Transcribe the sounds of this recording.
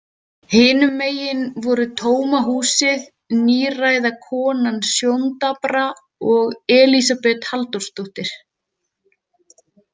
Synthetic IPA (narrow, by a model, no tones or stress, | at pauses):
hɪːnʏmːeːjɪnvɔɾʏt̪ʰoːwmaɦuːsɪð | niːraːjðakʰɔːnansjownt̪apɾa | ɔɣɛːlisapɛt̪halt̪ɔɾ̥st̪uht̪ɪɾ̥